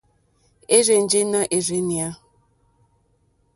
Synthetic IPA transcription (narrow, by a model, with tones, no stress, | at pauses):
e˦ɾe˨n̩˨˦d͡ʒe˦na˦ʔe˨ɾe˦ni˨a˦